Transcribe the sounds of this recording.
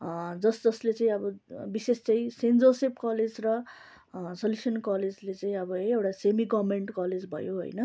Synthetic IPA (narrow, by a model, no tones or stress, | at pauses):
d͡zʌsd͡zʌslet͡saĩʌbʌbisest͡saĩsend͡zosepkʌled͡zrʌ | sʌljusʌnkʌled͡zlet͡saĩʌbʌewʈasemiɡʌmeɳʈkʌled͡zbʱʌ̰joɦo̰jnʌ